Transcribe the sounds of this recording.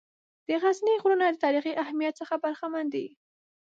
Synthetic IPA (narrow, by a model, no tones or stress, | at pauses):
d̪̥əɣazniɣɾunad̪ət̪ɑɾixiʔahmijat̪̚səxabaɾxamand̪ḭ